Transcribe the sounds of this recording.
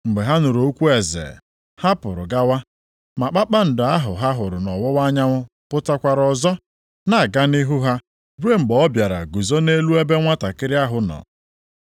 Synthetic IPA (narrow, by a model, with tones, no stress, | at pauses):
ŋ͡m̩˨ɡ͡be˨ɦa˦nʊ˨ɾo˦kʷu˦e˨zḛ˨ | ha˦pʊ˨ɾʊ̰˨ɡa˦wa˦ | ma˨k͡pa˦k͡pa˦n̩˨dʊ˨a˦ɦʊ˨ɦa˦ɦʊ˨ɾʊ˨nɔ˨wɔ˦wa˦ɲa˦mʊ˦ | pʊ˦ta˦kʷa˨ɾɔ˨zɔ˦ | na˨ɡa˦ni˦ɦu˦ɦa˦ | be˦ŋ͡m̩˨ɡ͡bɔ˨ɔ˦bja˨ɾa̰˨ɡu˨zo˦ne˦lu˦e˦be˦ŋʷa˦ta˨kɪ˦ɾɪ˦a˦ɦʊ˨nɔ̰˨